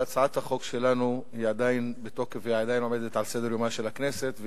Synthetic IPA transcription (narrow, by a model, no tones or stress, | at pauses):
at͡saʕat̪haχo̞kʃe̞lanuhiad̪ainbet̪o̞χkeviaad̪ajinomed̪et̪ʕalsed̪e̞ʁjomaʃe̞lakne̞se̞t̪v